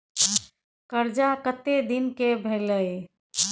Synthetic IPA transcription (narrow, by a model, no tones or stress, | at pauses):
kəɾd͡ʒakət̪ed̪inkebʱələj